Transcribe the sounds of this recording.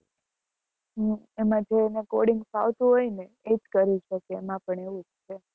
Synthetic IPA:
ɦə | emãd͡ʒʱeːnekoɽiŋɡpa̰ʋt̪uɦojne | ed͡ʒkəɾit͡ʃʰəkeːmãpəɳeʋũd͡ʒt͡ʃʰe

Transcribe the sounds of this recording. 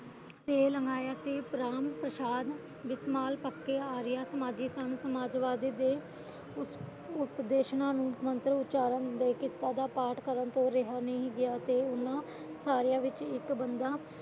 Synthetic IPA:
t̪eːləŋɡaːjaːsiːpɾaːmpɾəʃaːd̪ | ʋɪsmaːlpəkːeːaːɾɪjaːsəmaːd͡ʒiːsənsəmaːd͡ʒʋaːd̪iːd̪eː | ʊ | ʊpd̪eːʃnãːnũːmənt̪ɾəʊtːt͡ʃaːɾənd̪eːkiːt̪aːd̪aːpaːʈʰkəɾənt̪õːɾɪɦaːnĩɡɪjaːt̪eːʊnãː | saːɾɪjãːʋɪt͡ʃɪkbənd̪aː

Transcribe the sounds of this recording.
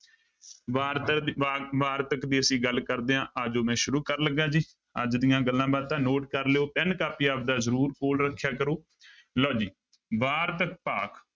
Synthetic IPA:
ʋaːɾʋaːɾt̪əkd̪iːəsĩːɡəlkəɾd̪eːãːʔaːd͡ʒoːmɛ̃ːʃʊɾuːkəɾləɡãːd͡ʒiː | ə̰d͡ʒd̪ɪjãːɡəlːãːbaːd̪̚t̪ãːnoːʈkəɾleoːpɛnkaːpiːaːpd̪aːzəɾuːɾkoːlɾəkʰːjaːkəɾoː | lɔːd͡ʒiː | ʋaːɾt̪ək̚paːk

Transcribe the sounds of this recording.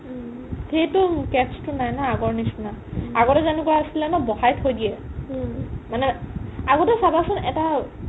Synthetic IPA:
xejtʊkɛpstʊnajnaaɡɔɹnisnaaɡɔtɛzanikuaasilɛnɔbɔhajtʰojdiɛ | manɛaɡɔtɛsabasʊnɛta

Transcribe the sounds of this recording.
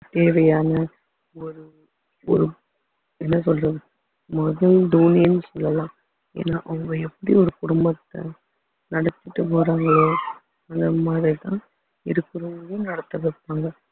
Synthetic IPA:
t̪eːʋɐjaːnɐ | ɔɾɯ | ɔ̰ɾɯ | ɛnːɐsɔlɾɐ | mɔðɐlɖuːniːnːɯsɔlːɐlãː | ḛːnːaːʔʊŋɡɐɛpːɐɽiɔɾɯkʊɽʊmbɐt̪ːɐ̰ | nɐɽɐt̪ːɯʈːɯpoːɾaːŋɡɐɭoː | ɐnd̪ɐmaːðɾit̪ãː | ɪɾɯkːɯɾɯŋɡɐɭʊnɐɽɐt̪ːɐʋɪɾpːaːŋɡɐ

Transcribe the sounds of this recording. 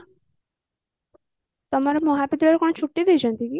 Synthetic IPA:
t̪ɔmaɾemɔɦapit̪ɾɔɾekɔɽ̃ɔt͡ʃʰuʈːid̪ewt͡ʃʰɔnt̪iki

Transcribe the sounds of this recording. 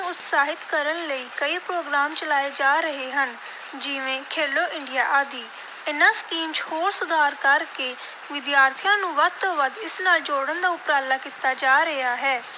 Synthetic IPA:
ʊt̪saːɦɪt̪kəɾənləiːkəiːpɾoːɡɾaːmt͡ʃəlaːeːd͡ʒaːɾəɦeːɦən | d͡ʒɪʋẽːkʰeːloːʔɪɳɖijaːʔaːd̪iː | ɪnãːskiːmt͡ʃhoːɾsʊd̪ʱaːɾkəɾkeː | ʋɪd̪jaːɾt̪ʰijãːnũːʋəd̪̚t̪oːʋəd̪ɪsnaːld͡ʒoːɽənd̪aːʊpɾaːlːaːkiːt̪aːd͡ʒaːɾəaːɦɛː

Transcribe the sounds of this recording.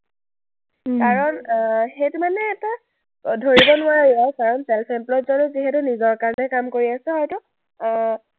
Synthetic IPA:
kaɹɔnxetumanɛːta | dʱoɹibɔnʊaɹaiɔkaɹɔnsɛlpʰɛmplɔtzɔnuziɦɛtʊnizɔɹkaɹnɛkamkoɹiasɛɦɔjtʊ

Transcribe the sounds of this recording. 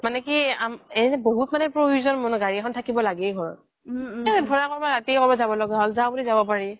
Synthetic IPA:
manɛkiamɛboɦutmanɛpɹobʱuzɔnmɔnʊɡaɹiɛkʰɔntʰakibɔlaɡɛɡʱɔɹɔ̰t̚ | ɛdʱɔɹakɔɹbaatikɔbɔzabɔlɔɡɛɦɔlzãbulizabɔpaɹi

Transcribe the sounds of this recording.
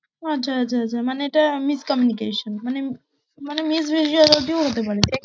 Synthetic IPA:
atːɕʰaatːt͡ɕʰaat͡ɕʰamaneeʈamiskɔmjunikeʃonmane | manemis̬bʱiʃiɔd̪alʈioɦot̪epaɾet̪e

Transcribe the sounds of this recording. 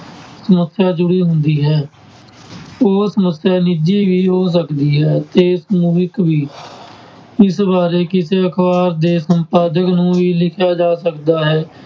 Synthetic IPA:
səməsjaːd͡ʒʊɽiːɦʊnd̪iːɦɛː | oːsəməsjaːnid͡ʒiːʋiːɦoːs̬əkd̪iːɦɛːt̪eːɪsmuːɪkʋiː | ɪsbaːɾeːkɪseːəkʰbaːɾd̪eːsəmpaːd̪əknũːʋiːlɪkʰjaːd͡ʒaːsəkd̪aːɦɛː

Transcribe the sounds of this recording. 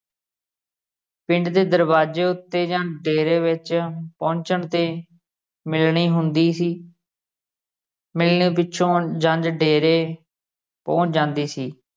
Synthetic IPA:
pɪ̃ɳɖd̪eːd̪əɾbaːd͡ʒeːʊt̪ːeːd͡ʒãːɖeːɾeːʋɪt͡ʃpɔ̃ːɲt͡ʃəɳt̪eː | mɪlɳiːɦʊnd̪iːsiː | mɪlɳĩːpɪːʃʰõːd͡ʒãnd͡ʒɖeːɾeː | pɔ̃ːt͡ʃd͡ʒãːnd̪iːsiː

